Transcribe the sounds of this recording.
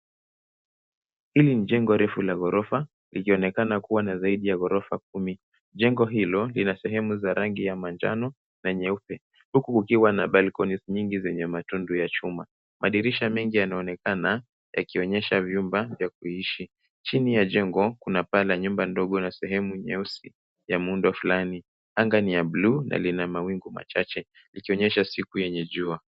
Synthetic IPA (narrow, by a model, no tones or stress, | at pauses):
hiliniʄɛŋɡɔɾɛfulaɣɔɾɔfa | likiɔnɛkanakuwanazaiɗijaɣɔɾɔfak̚umi | ʄɛŋɡɔɦilɔlinasɛɦɛmuzaɾaŋɡijamand͡ʒa̰nɔ | naɲɛupɛ | hukukukiwanaɓalkɔnisɲiŋɡizɛɲɛmatundujat͡ʃuma | mʔaɗiɾiʃamɛŋɡijanaɔnɛkana | ja̰kiɔɲɛʃavjumbavjakuiʃi | t͡ʃinijaʄɛŋɡɔkunapalaɲumbandɔɠɔnasɛɦɛmuɲɛusi | jamundwafulani | aŋɡanijaɓlunʔa̰linamawiŋɡuma̰t͡ʃat͡ʃɛ | likiɔɲɛʃasikujɛɲɛʄua